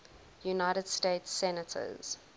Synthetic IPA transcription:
junaɪɾəd̥steɪtsɛnətʰə̰z̥

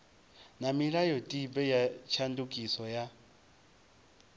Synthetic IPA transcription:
namiɺajɔtʼibɛjat͡ʃʰandukʼisɔja

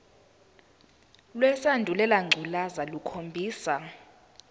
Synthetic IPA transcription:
lwɛsandʱulɛlaŋ͡ǀʱulazalukʰombʱiːsa

